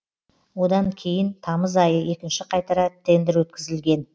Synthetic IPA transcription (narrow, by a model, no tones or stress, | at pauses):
wo̞d̪ɑŋkʲʰe̞jɪnt̪ʰɑməzɑjəje̞kʲɪnʃɪqʰɑjt̪ɑɾɑt̪ʰːe̞nd̪ɪɾwɵt̪kʲɪzɪlɡʲe̞n